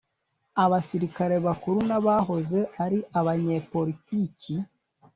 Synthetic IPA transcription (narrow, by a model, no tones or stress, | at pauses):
aβasiɾikaɾe̞βakuɾunaβaɦo̞ze̞aɾiʔaβaɲe̞ːpo̞ɾitici